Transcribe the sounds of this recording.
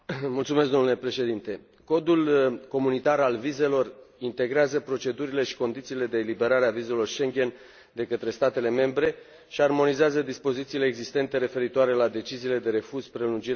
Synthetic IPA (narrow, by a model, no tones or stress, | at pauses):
mult̪sumes̬k̪d̪omnule̞pɾe̞ʃe̞d̪int̪e̞ | ko̞d̪ulko̞munit̪aɾalvize̞lo̞rint̪e̞ɡɾeazəpɾo̞t͡ʃe̞d̪uɾile̞ʃi̥ko̞nd̪it̪siːle̞d̪eːlibe̞ɾaɾeavize̞lo̞rʃe̞ŋɡʲe̞n | d̪e̞kət̪ɾe̞st̪at̪e̞le̞me̞mbɾe̞ | ʃiarmo̞nizeazəd̪ispo̞zit̪siːleːɡzist̪e̞nt̪e̞ɾe̞fe̞ɾit̪oaɾe̞lad̪e̞t͡ʃiziːle̞d̪e̞ɾe̞fuzpɾe̞lund͡ʒiɾ